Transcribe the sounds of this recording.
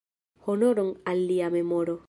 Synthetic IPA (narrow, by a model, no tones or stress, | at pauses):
honoɾoŋalːiamemoɾo